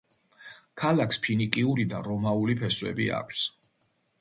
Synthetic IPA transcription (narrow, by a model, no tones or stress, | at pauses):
kʰalakʰspʰinikʼiuɾid̪a̰ɾɔmaulipʰɛswɛ̰bḭa̰kʷʰs